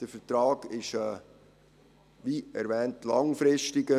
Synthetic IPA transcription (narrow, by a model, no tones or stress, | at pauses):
d̥əfətɾɑːɡ̥ɪʃɛː | ʋiɛ̰ɾʋɛːntlɑŋfɾɪʃtɪɡə